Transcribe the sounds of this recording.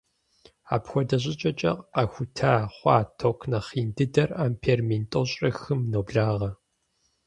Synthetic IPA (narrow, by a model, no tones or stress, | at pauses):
a̰ːpxʷɔdɐɕ̬ʼɪt͡ʃʼɐt͡ʃʼɐ̰qɐxʷʊtʰaːχʷɑːtʰokʷʰnɐχiːndɨdɐraːmpʰeːrmintʼoɕʼrɐxɨmnowbɮaːʁɐ